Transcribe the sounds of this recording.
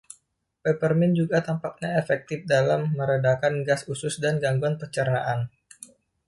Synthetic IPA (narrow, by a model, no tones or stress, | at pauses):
pepərmɪnd͡ʒuɡat̪ampak̚ɲaefɛk̚t̪ɪfdalamːəɾədakanɡasusʊsdanɡaŋɡuanpərt͡ʃərnaʔan